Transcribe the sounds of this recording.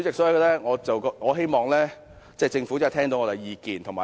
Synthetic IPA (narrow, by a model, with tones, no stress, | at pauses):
t͡sɪ˨k̚sɔː˨˥˧ɡɔ˧lɛː˥ŋɔː˨˧t͡sɐ˨wkɔ˧˥ŋɔː˨˧ɦe˥jmɔː˨˩ŋlɛː˥ | t͡sɛː˥˩t͡sɪ˧ŋfu˨˥t͡sːt̪ʰɛː˥ŋt̪o˧ŋɔː˨˧t̪e˨˩jjiː˨˧kiː˨˩nt̪ʰʊ˨˩ŋmaː˨